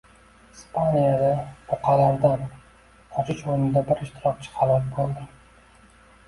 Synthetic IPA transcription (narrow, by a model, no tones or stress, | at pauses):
ispʰanijad̪abʊqʰɑlaɾd̪anʰ | ɒt͡ʃʰɪt͡ʃoɾnɪd̪abɪɾɪʃt̪ʰɪɾɒk̚t͡ʃʰɪ̥χʰalˠɒt̪bolˠd̪ɪɾ